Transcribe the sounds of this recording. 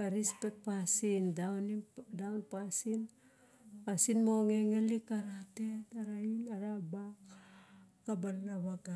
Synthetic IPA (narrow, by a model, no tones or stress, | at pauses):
aɾispek̚pasindawnidawnpasin | pasinmo̞ŋe̞ŋelikaɾate̞taɾainaɾabak | kabalnaβaɡa